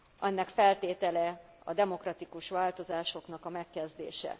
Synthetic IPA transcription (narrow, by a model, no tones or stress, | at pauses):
ʔɛnːɛkfɛlt̪eːt̪ɛlɛ | ɒ̰d̪ɛmo̞krɒt̪ikuʃʋaːlt̪o̞zaːʃo̞kn̪ɒkɒmɛkːɛzd̪ḛːʃɛ̰